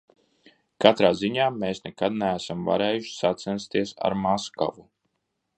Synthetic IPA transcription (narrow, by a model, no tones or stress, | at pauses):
kat̪ɾaːziɲaːmeːsnɛkad̪̚nɛæsamva̰ɾeːjuʃsat̪sɛnst̪iɛsa̰ɾmaska̰vu